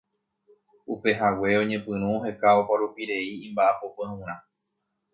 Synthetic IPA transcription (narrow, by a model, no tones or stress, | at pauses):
upe̞ɦawe̞õɲẽ̞pɨ̃ɾ̃ũoɦe̞kaopaɾupiɾe̞iĩmbaʔapopɨãũɾ̃ã